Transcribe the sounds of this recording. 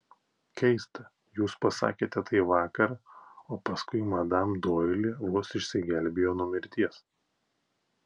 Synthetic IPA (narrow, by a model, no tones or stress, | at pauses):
kʲɛɪst̪ɐ | juːspɐsɑ̰ːkʲeːt̪ʲɛt̪ɐɪʋɑːkɐɾɐoːpɐskʊɪmɐd̪ɐmd̪oːɪlʲiʋuɔsɪʃʲsʲɪɡʲɛlʲbʲeːjoːnʊɔmʲɪɾʲt̪ʲiɛs